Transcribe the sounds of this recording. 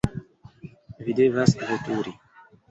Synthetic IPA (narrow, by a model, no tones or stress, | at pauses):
vid̪evasvot̪uɾi